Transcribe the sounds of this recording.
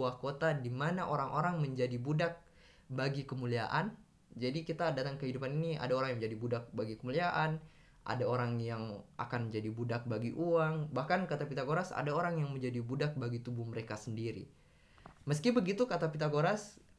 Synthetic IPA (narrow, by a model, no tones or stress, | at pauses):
uahkot̪adimanaʔoɾaŋʔoɾaŋməɲd͡ʒadibudak̚ | baɡikəmulia̰ʔan | d͡ʒadikit̪adat̪aŋkəɦidupaninia̰daoɾaŋjŋmɲd͡ʒadibudak̚baɡikəmuliaʔan | ʔa̰daoɾaŋjaŋa̰kanməɲd͡ʒadibudak̚baɡiʔuaŋbahkankat̪apit̪aɡoɾasa̰daoɾaŋjaŋməɲd͡ʒadibudak̚baɡit̪ubuhməɾekasəndiɾḭ | məskibəɡit̪ukat̪apit̪aɡoɾas